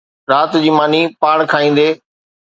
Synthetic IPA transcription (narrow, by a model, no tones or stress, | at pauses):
ɾaːt̪d͡ʑiːmaːnipaːɽkʰaːĩːn̆d̪eː